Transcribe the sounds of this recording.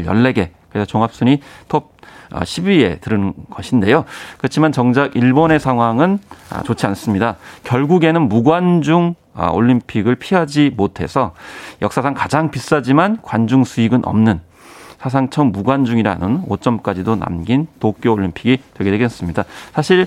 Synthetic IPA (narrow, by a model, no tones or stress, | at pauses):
jʌ̰ɭːe̞ɡe̞kɯɾe̞sʰʌt͡ɕoŋɦap̚s͈uɲitʰop̚ʌ̰ɕʰibie̞tɯɾɯnnɡ̥ʌɕʰinde̞jokɯɾʌt͡ɕʰimant͡ɕʌŋd͡ʑaɡiɭbone̞sʰaŋɦwaŋɯna̰t͡ɕot͡ɕʰians͈ɯmɲidakjʌɭɡuɡe̞nɯnmuɡwand͡ʑuŋ | ʌ̰o̰ʎːimpʰiɡɯɭpʰiɦad͡ʑimotʰe̞̰sʰʌjʌk̚s͈asʰaŋkad͡ʑaŋpis͈ad͡ʑimankwand͡ʑuŋsʰuiɡɯnʔʌ̰mnɯn | sʰas̬ʰaŋt͡ɕʰʌmːuɡwand͡ʑuŋiɾa̰nɯno̰t͡ɕ͈ʌmk͈ad͡ʑidona̰mɡintok͈joːʎːimpʰiɡitwe̞ɡedweɡes͈ɯmɲidasʰaɕʰiɭ